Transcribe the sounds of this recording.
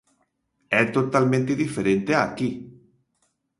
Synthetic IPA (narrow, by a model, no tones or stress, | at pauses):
ɛt̪ot̪alment̪eðifeɾent̪eaki